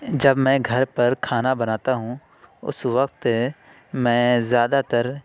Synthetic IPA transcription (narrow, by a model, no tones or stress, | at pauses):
d͡ʒɐbmɛ̃ːɡʱɐɾpɐɾkʰaːnabɐnaːt̪aɦũː | ʊ̰sʋɐk̚t̪ | mɛ̃ːzjaːd̪at̪ɐɾ